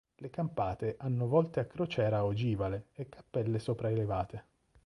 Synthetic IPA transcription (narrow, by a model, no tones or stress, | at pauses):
lekampaːt̪eʔanːovɔlt̪eakːɾot͡ʃɛːɾaod͡ʒiːvaleekːḁpːɛlːesoːpɾaelevaːt̪e